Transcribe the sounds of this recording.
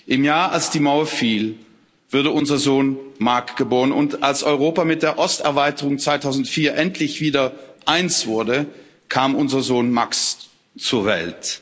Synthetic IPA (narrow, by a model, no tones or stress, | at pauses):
ʔɪmjaːɐʔalsd̥iːmaʊɐfiːl | v̥ʊɐɾəʊnzɐzoːnmaɐkɡ̥əboːʁənʊntʔalsʔɔʏʁoːpamɪt̚d̥eːɐʔɔstɛɐvaɪtəʁʊŋt͡sv̥aɪtʰaʊzn̩tfiːɐʔɛntʰlɪçv̥iːdɐʔaɪnt͡sv̥ʊɐdə | kʰaːmʔʊnzɐzoːnmaks | t͡suɐvɛ̰lt